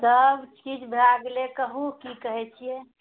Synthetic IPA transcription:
d̪əbt͡ʃi̥kit͡ʃbʱaɡlekəɦukikəɦɛt͡ʃʰie

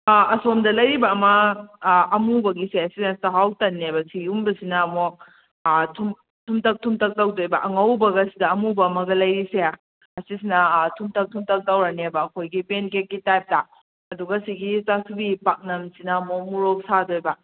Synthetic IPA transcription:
ɐsomdɐlɐjɾibɐːmɐː | mubɐɡiseɐsisnɐstaɦawtɐnːebɐsiumbɐsinɐmok̚ | tʰum | tʰumtɐk̚tʰumtɐk̚tawdojbɐʔɐŋawbɐɡɐsidɐɐmubɐːmɐɡɐlɐjɾise | ɐsisinɐtʰumtʰɐk̚tʰumtʰɐk̚tawɾanebɐːkʰojɡipenkek̚ɡitajp̚ta | ɐduɡɐasiɡisasʰubipak̚nɐmsinɐmok̚muɾok̚sadojbɐ

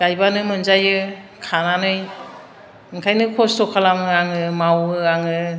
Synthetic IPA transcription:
ɡ̥ajbanɯmɯnzajɯkʰananɯj | ɯŋkʰajnɯkʰɔstɔkʰalamɯaŋɯmawɯaŋɯ

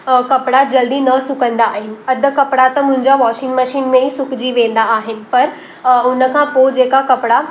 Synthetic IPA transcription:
kɐpɽad͡ʑɐld̪inɐsʊkə̃nd̪aːɦɪnɪ̆ɐd̪ʱə̆kɐpɪɽat̪ɐmʊ̃ɦɪ̃ɲd͡ʑaʋɔːʃɪ̃ŋɡmɐʃiːnmẽisʊkd͡ʑiʋẽːnd̪aːɦɪnɪ̆pɐɾ | ʊnəkʰãːpod͡ʑeːkakɐpɪɽa

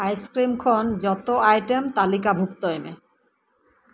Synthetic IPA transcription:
ajskɾimkʰɔnd͡ʑɔt̪oajʈemt̪alikabʱuk̚t̪ojmḛ

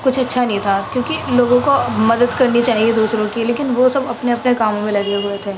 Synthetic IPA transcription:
kʊt͡ʃʰɐtːʃʰanɐɦĩt̪ʰakjõːkiloːɡõkomɐd̪əd̪kɐɾnit͡ʃaːɦied̪uːsɾõkileːkɪnʋosɐbɐpneɐpnekaːmõmẽlɐɡeɦuet̪ʰeː

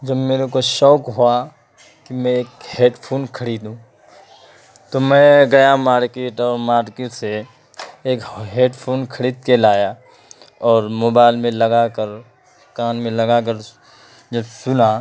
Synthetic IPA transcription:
d͡ʒɐbmeːɾekoʃɔːkɦoa | kimɛ̃eːkheːɖpʰoːnkʰəɽiːd̪ũ | t̪omɛ̃ɡɐjamaːɾkeːʈɔːɾmaːɾkeːʈse | eːkɦeːɖpʰoːnkʰɐɽiːd̪̚kelaːja | ɔːɾmoːbaːɪlmẽlɐɡakəɾ | kaːnmẽlɐɡak̬əɾ | d͡ʒɐbsʊna

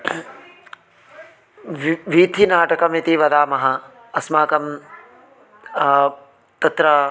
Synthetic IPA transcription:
ʋiːt̪ʰinaːʈɐkɐmit̪iʋɐd̪aːmɐɦɐ | ɐsmaːkɐm | t̪ɐt̪ɾɐ

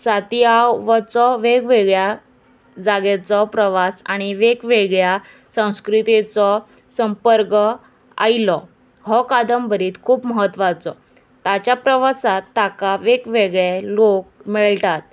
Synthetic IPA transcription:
sat̪iawʋət͡sɔʋeɡʋeɡɭja | d͡zaɡet͡sɔpɾəʋasaɽ̃iʋekʋeɡɭja | sə̃w̃skɾit̪et͡sɔ | səmpəɾkə | a̰ilɔ | ɦɔkad̪əmbʱəɾiːt̪kʰuːpməɦət̪ːʋat͡sɔ̰ | t̪at͡ɕjapɾəʋasat̪ːakaʋekʋeɡɭelok̚miɭtat̪̚

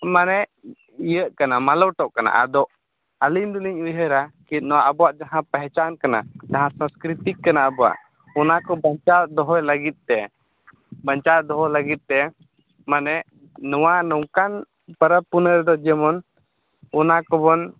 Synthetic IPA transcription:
manɛ | ijəʔkanamalɔwʈɔʔkana̰ʔa̰d̪ɔʔ | alind̪uliɲujɦəɾakit̪̚ˀnɔwaʔabɔwaʔd͡ʒaɦãpɛɦɛt͡ʃankana̰d͡ʒaɦãsãmskɾit̪ikːanaabɔwa̰ʔ | ɔnakɔbaɲt͡ʃaʔd̪ɔɦɔjləɡit̪̚ˀt̪ɛ | baɲt͡ʃaʔd̪ɔɦɔjləɡit̪̚ˀt̪ɛ | manɛ | nɔwanɔŋkan | pəɾəpunəɾɛd̪ɔd͡ʒɛmɔn | ɔnakɔbɔn

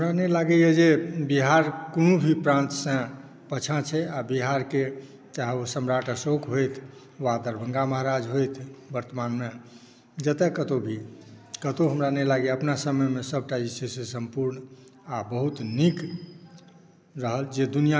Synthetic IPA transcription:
ɦəmɾanɛlaɡɛjed͡ʒebiɦaɾkonobʱipɾãnt̪sə̃ | pət͡ʃʰãt͡ʃʰɛabiɦaɾke | t͡ʃaɦɛosəmɾaʈəsokɦojt̪ʰ | ʋad̪əɾbʱə̃ŋɡaməɦaɾad͡ʒɦojt̪ʰbəɾt̪əmanme | d͡ʒət̪ekət̪obʱikət̪oɦəmɾanɛlaɡeəpnasəməjmesəbʱʈaisesẽsəmpuɾn | abəɦut̪nik | ɾəɦəld͡ʒed̪unija

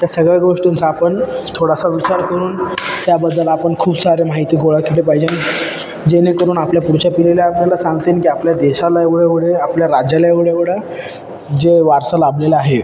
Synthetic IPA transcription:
t̪jasəɡɭjaɡoʂʈint͡saːpəɳt̪ʰoɽasaʋit͡ɕaɾkəɾuːnt̪jabəd̪ːəlapəɳkʰuːbsaɾemaɦit̪iːɡoɭakʰiʈepaɦid͡ʑen | d͡ʑenekəɾuːnapljapuɾt͡ɕapileljaaɾlelasãŋɡt̪enkiapljad̪eɕalaeʋɭeʋɽeapljaɾad͡ʑaljaeʋɭeʋɽa | d͡ʑeʋaɾsəlablelaaɦe

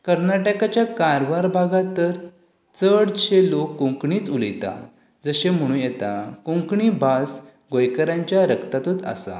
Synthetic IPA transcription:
kəɾnaʈəkat͡ɕjakaɾʋaɾbʱaɡat̪ːəɾ | t͡səɽt͡ɕelokːũŋkɳiːt͡suləjt̪a̰ | d͡zəɕem̤əɽ̃ũjɛt̪a̰kũŋkɳiːbas | ɡojkəɾãɲt͡ɕjaɾəkt̪at̪ut̪a̰sa̰

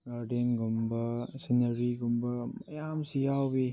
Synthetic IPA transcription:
ɡaɾdenɡumbɐsinɐɾiɡumbɐmɐjamsijawbi

